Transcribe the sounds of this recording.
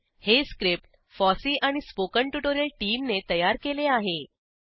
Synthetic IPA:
heskɾip̚ʈ | fɔsiːʔaɽ̃ispokəɳʈuʈoɾjəlʈiːmnet̪əjaɾkeleaɦe

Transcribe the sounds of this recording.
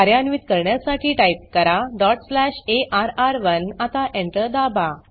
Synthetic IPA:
aɾjanʋiːt̪kəɾɳjasaʈʰiːʈaip̚kəɾaɖɔʈslæɕeʔaɾaɾʋənat̪aʔẽɳʈəd̪aba

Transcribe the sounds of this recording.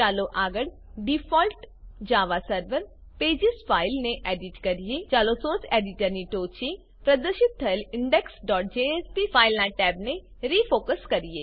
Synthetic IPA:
t͡ʃaːloʔaːɡəɽ | ɖipʰɔːlʈ | d͡ʒaːʋaːsəɾʋəɾ | peːd͡ʒɪspʰaːɪlnẽʔɛːɖɪʈkɐɾijet͡ʃaːlosoːsɛːɖɪʈəɾniʈoːt͡ʃi | pɾəd̪əʃɪt̪ʰːəlɪ̃ɳɖɛksɖɔːʈ̚d͡ʒeːɛːspiːpʰaːɪlnãːʈɛːbne | ɾiːpʰoːkəskɐɾieː

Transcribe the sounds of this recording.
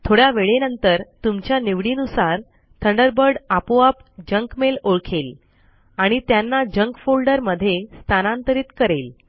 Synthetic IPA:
t̪ʰoɽjaʋeɭenənt̪əɾt̪umt͡ɕjaniʋɽiːnusaɾ | t̪ʰəɳɖəɾbəɾɖapoapd͡ʑəŋkmeloɾkʰel | aɽ̃it̪janːad͡ʑəŋkfolɖəɾməd̪ʱːjest̪ʰanãnt̪əɾiːt̪kəɾel

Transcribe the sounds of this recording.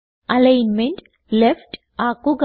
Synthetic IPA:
ɐlejnmeɳʈ | lefʈ | aːkuɡ

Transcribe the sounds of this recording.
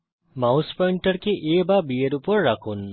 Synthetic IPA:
mawspɐɳʈəɾkeʔeːbabijeɾupoɾːakʰun

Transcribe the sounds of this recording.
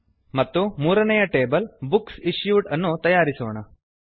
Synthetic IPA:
mɐt̪ːumuːɾɐnɐjɐʈeːbɐlbuksiɕjuːʈɐnːut̪ɐjaːɾisoʋːɳɐ

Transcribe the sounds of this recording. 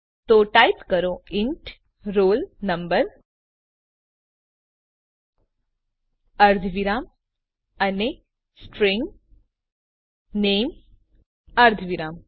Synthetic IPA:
t̪oʈajpkəɾoiɳʈ | ɾoːlnɐmbəɾ | əɾd̪ʱʋiɾaːm | əne | sʈɾiŋɡ | neːm | əɾd̪ʱʋiɾaːm

